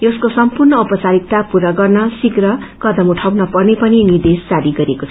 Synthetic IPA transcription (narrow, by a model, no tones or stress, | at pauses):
joskosʌmpurnʌupʌt͡saɾik̚t̪apuɾaɡʌrnʌsikrʌkʌd̪ʌmuʈʰawnʌpʌrnepʌninird̪est͡saɾiɡʌɾekot͡sʰ